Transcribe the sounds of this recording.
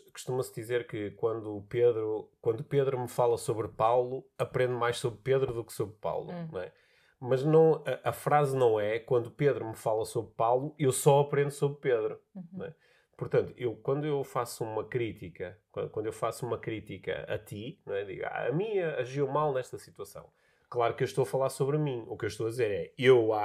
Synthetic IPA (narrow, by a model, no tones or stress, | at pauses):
ku̥ʃt̪umɐsd̪izeɾkɨkwɐ̃nd̪uːpeðɾukwɐ̃nd̪upeðɾumɨfalˠɐsoβɾpawlˠuɐpɾẽnd̪majʃsoβɾpeðɾuðuksoβɾpa̰wlˠunw̃ɛ | mɐʒnɐ̃w̃ɐʔɐfɾaznɐ̃w̃ɛkwɐ̃nd̪upeðɾumɨfalˠɐsoβɾpawlˠuewsɔɐpɾẽnd̪usoβɾpeðɾunw̃ɛ̰ | pʊɾt̪ɐ̃nt̪u̥ewkwɐ̃nd̪uewfasumɐkɾit̪ikɐkwɐ̰̃kwɐ̃nd̪wewfasumɐkɾit̪ikɐ̰ɐ̰t̪inw̃ɛd̪ḭɣa̰ɐ̰mĩɐɐʒiwmalˠnɛʃt̪ɐsit̪wɐsɐ̰̃w̃ | klˠaɾukewʃt̪owɐfɐlˠaɾsoβɾmĩukewʃt̪owɐðizeɾɛewa